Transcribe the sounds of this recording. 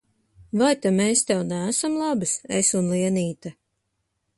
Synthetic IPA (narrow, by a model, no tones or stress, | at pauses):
vajt̪ameːst̪ɛwnæːsamlˠabɨsesunlˠiɛniːt̪a